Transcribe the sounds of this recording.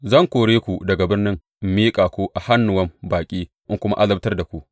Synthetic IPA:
zɐ˦˨ŋkʷoː˨ɽeː˦kʷu˨dɐ˨ɡa˨bɪ˦rnɪ˦ŋ | miː˦kʼaː˨kʷoː˦ʔa˨ha˦nːʊ˨wɐ˦mbaː˨kʲʼiː˦ | ʔɪ˦ŋkʷʊ˦ma̰˦ʔa˦lɐ˦btɐ˦rda˨kʷu˨ʔ

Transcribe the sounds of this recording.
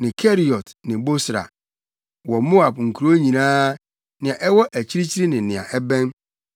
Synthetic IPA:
nɪ̃˨kʰɛ˦ɾi˨ɔ˨tnɪ̃˨bo˦sɾa̰˨ | wɔ˨mo˦a˨bŋ̩˨kʰu˨ɾo˦ɲĩ˨nãː˦ | nɪ̃˨ã˨ʔɛ˦wɔ˦ʔæ˨t͡ɕʰi˦ɾi˦t͡ɕʰi˦ɾi˦nɪ̃˨nɪ̃˨ã̰˨ʔɛ˦bɛ̃˦n

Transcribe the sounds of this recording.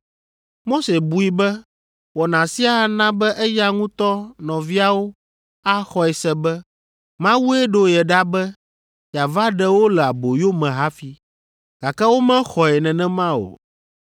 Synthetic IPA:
mo˦se˨bu˨i˨bɛ˦ | wɔ˨nã˨si˦a˦a˨nã˦bɛ˦ʔɛ˦ja˦ŋũ˦t̪ɔ˦nɔ̃˨vi˦a˦wo˦ | a˦xɔ˨ɛ˨sɛ˦bɛ˦ | mã˦wu˦ɛ˦ɖo˦jɛ˨ɖa˦bɛ˦ | ja˨va˦ɖɛ˦wo˦lɛ˨a˨bo˨jo˦mɛ̃˨ɦa˦fi˦ | ɡ̥a˨kɛ˦wo˦mɛ̃˦xɔ˨ɛ˨nɛ̃˨nɛ̃˦mã˦o̰˨

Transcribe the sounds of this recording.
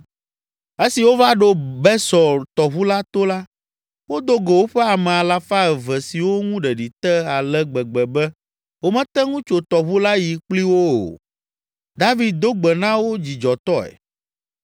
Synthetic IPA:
e˦si˨wo˦va˦ɖo˦bɛ˦sɔ˨t̪ɔ˨βu˦la˦t̪o˦la˦ | wo˦d̪o˦ɡe˨wo˦ɸɛ˦a˨mɛ̃˨a˨la˨fa˦ɛ˨vɛ˨si˨wo˦ŋũ˦ɖɛ˨ɖi˨t̪ɛ˦a˨lɛ˦ɡ͡bɛ˨ɡ͡bɛ˨bɛ˦ | wo˦mɛ̃˦t̪ɛ˦ŋũ˦t͡ʃo˨t̪ɔ˨βu˦la˦ji˨k͡pli˦wo˦o̰˨ | d̪a˦vi˨d̪̚d̪o˦ɡ͡bɛ˨nã˦wo˦d͡ʑi˨d͡ʒɔ˨t̪ɔ˦ɛ̰˨

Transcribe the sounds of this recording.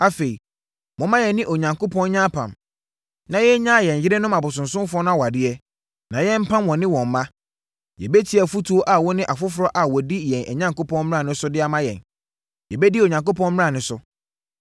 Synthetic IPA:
a˦˨fe˨i˨ | mɔ̃˨mã˦jɛ˨nːɪ̃˦ʔo˨ɲã˨ŋko˦pʰɔ̃˦nɲã˦pʰã̰˨m | nã˨jɛ˦ɲã˦˨jɛ̃˨n˨ɪ˦ɾɪ˦nʊ̃˦ma˨bʊ˨s̬ʊ̃˨nsʊ̃˦m˦fʊ˦ɔ˦nʊ̃˦a˦wa˨dɪ˦ɛ˦ | nã˨jɛ˦m̩˦pʰã˦mwɔ̃˨nɪ̃˦wɔ̃˨m˨˦mã˦ | jɛ̰˨bɛ˦tʰi˦ɛ˨fu˦tʰu˨˦o˦ʔa˨wɔ˦nɪ̃˦ʔa˨fʊ˦fʊ˨ɾɔ˦ʔa˨wɔ˨di˦jɛ̃˨nɛ˨ɲã˦ŋko˦pʰɔ̃˦n˦mɪ˦ɾã˦˨nɪ̃˦sʊ˦dɪ˦a˨mã˦jɛ̰˨n | jɛ˨bɛ˦di˦o˨ɲã˨ŋko˦pʰɔ̃˦nm˦ã˦˨nʊ̃˨˦sʊ˦

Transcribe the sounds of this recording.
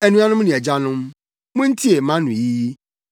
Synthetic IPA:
ɛ˨nũ˦a˦nʊ̃˦mnʊ̃˨ɛ˨d͡ʑa˦nʊ̃˦m | mʊ̃˦n̩˦tʰi˦e˨mã˦nʊ̃˨ji˦ji˦

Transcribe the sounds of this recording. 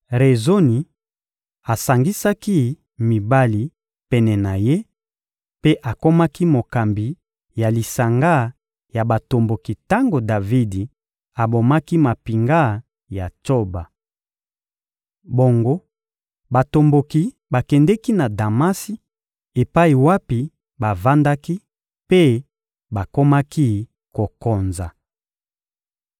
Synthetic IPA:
ʁe˨zo˦ni˨ | a˨sa˨ŋɡi˦sa˦ki˦ | mi˨ba˦li˨ | pɛ˨nɛ˨na˨je˦ | pe˦ʔa˨ko˦ma˦ki˦mo˨ka˨mbi˨ | ja˨li˨sa˨ŋɡa˦ | ja˨ba˨to˨mbo˨ki˨ta˦ŋɡo˨da˨vi˦di˨ | a˨bo˨ma˦ki˦ma˨pi˨ŋɡa˦˨ | ja˨to˦ba˨ | bo˨ŋɡo˦ | ba˨to˨mbo˨ki˨ | ba˨kɛ˨ndɛ˦ki˦na˨da˨ma˦si˦ | e˨pa˦i˨wa˦pi˨ | ba˨va˦nda˦ki˦ | pe˦ | ba˨ko˦ma˦ki˦ | ko˨ko˨nza˨

